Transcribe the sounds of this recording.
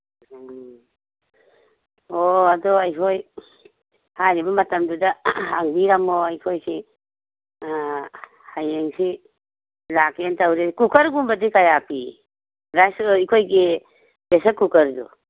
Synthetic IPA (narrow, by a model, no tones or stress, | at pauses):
oadɔajkʰoj | hajɾibɐmɐtɐmdudahaŋbiɾamoajkʰojsi | hajeŋsi | lakentawɾekukɐɾɡumbadikajapʰi | ɾajsikʰojɡe | b̥esakukɐɾdṵ